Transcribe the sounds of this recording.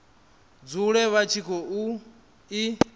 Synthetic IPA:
d͡zuɺɛβat͡ʃʰikʰɔu | i

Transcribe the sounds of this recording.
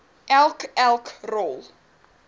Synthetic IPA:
ʔɛlˠkɛlˠkrɔlˠ

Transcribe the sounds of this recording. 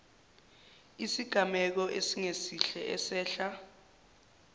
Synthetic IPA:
isiɡ̥ʱamɛk̬ɔʔesiŋesiɬɛʔɛsɛːɬa

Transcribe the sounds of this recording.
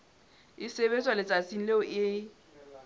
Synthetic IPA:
ɪseβet͡sʼwalɪt͡sʼat͡sʼin̩leʊʔɪ

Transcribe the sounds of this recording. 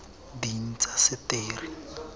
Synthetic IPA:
din̩t͡sasɪteːrɪ

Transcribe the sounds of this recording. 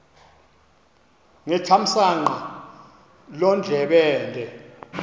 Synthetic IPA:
ŋɛt͡ʃʰam̩saŋ͡ǃa | lɔnd͡ɮʱɛɓɛːndʱɛ

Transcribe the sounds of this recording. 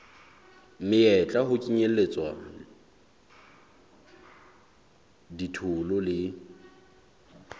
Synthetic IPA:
mɪɛt͡ɬʼaɦʊkʼiɲelet͡sʼwa | ditʰʊlʊlɪ

